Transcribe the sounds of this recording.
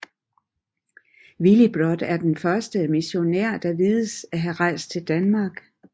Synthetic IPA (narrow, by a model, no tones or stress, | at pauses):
ʋilib̥ʁɒd̥æɐd̥enfɶɐsd̥əmiɕo̝næɐ̰d̥ɑ̈ʋiːðˠəsæɦæʁɑ̈ɪ̰sd̚t͡sʰe̝ld̥ænmɑ̈ːɡ̥